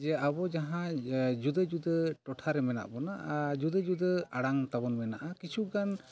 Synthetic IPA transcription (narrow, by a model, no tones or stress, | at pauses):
d͡ʒɛabɔd͡ʒaɦãd͡ʒud̪əd͡ʒud̪əʈɔʈʰaɾɛmɛna̰ʔbɔnad͡ʒud̪əd͡ʒud̪əaɽaŋt̪abɔnmɛnaʔakit͡ʃʰukan